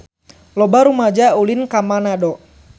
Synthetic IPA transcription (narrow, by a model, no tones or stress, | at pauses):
lɔbaɾumad͡ʒaulinkamanadɔ